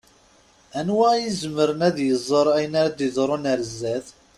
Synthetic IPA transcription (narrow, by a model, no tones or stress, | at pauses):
ænwæjizəməɾənæðjəzˤːəɾˤæjənaɾad̪iðˤɾˤonæɾəzːæθ